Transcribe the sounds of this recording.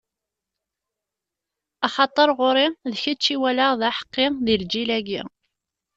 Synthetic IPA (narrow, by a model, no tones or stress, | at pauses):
ɑχɑt̪ˤːəɾˤʁoɾɪðçət͡ʃːiwælaʁðæħə̥qːɪðild͡ʒilæɡḭ